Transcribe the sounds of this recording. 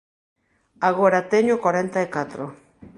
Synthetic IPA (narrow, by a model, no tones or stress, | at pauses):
aɣoeɾat̪eɲukoɾent̪aekat̪ɾo